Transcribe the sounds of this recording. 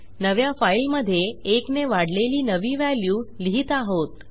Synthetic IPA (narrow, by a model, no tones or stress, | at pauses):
nəʋjafailməd̪ʱːjeːkneʋaɽ̤leliːnəʋiːʋæljuːliɦiːt̪aɦot̪